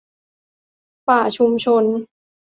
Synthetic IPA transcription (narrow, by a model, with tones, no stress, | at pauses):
paː˨˩t͡ɕʰu˧mt͡ɕʰo˧n